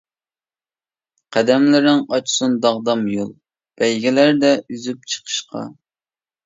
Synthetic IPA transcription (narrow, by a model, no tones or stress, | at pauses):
qʰæd̪ɛmlɪɾnɪŋɑt͡ʃʰsund̪ɑʁd̪ɑmjo̰lˠ | b̥ɛjɡʲilæɾd̪ɛyzyp̚t͡ʃʰə̥qʰə̥ʃqʰɑ̰